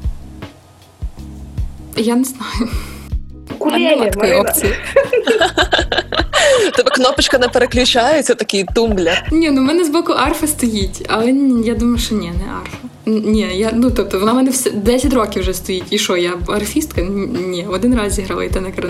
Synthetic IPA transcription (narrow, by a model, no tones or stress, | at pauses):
janɛznɑjʊ | kʊmlˠɐt̪kkɔjɔpt͡s̪ʲɨj | t̪ɛbɛknɔpɪt͡ʃkɐnɛpeɾeklʲʊt͡ʃajʊt͡sʲɐt̪ɐkʲijt̪umblʲɐnʲɛnʊmɛnɛzbɔkʊʔɑrfɐst̪ɔjitʲɐ̰lˠɛjad̪umɐjʊʃtɔnʲɛnɛʔɑ̰rfɐ | nnʲɛjanut̪ɔp̚t̪ɔʋɔnamɛnɛwsɛd̪ɛsʲɐtʲrokʲɪwʐɛst̪ɔjitʲiʃɔjaɐrfʲist̪kɐnʲɛɔd̪ɪnrɑzʲiɦɾɑlˠɐ̰it̪ɛnɛkɐɾɐ